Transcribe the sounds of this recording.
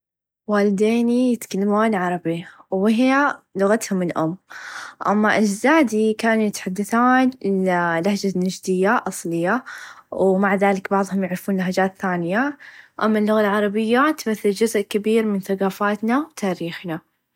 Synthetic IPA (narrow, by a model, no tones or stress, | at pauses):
waːlɪd̪eːnijɪt̪kalːamaːnʕɑɾˤɑbiwɪɦjalʊɣat̪hʊmːɪlʔʊ̰mːʔa̰mːaʔad͡ʒzaːd̪ikaːnujɪt̪ḁħad̪ːaθaːnlahd͡ʒanːad͡ʒd̪ɪjːaʔɑsˤlɪjːawmaʕðaːlɪkbɑʕðˤhʊmjaʕɾɪfuːnlaɦad͡ʒaːt̪θaːnɪjaʔa̰mːalːʊɣalʕɑɾˤɑbɪjːat̪maθːɪld͡ʒʊzʔkabiːɾmɪnθaɡɑːfaːt̪nawt̪aːɾiːxna